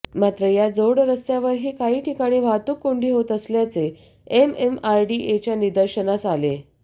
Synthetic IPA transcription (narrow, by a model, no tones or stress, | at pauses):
mat̪ɾəjad͡zoɽɾəst̪jaʋəɾɦiːkaɦiːʈʰikaɽ̃iːʋat̪uːkːoɳɖiːɦot̪əsljat͡se | ememajɖiʔet͡ɕjanid̪əɾɕənasale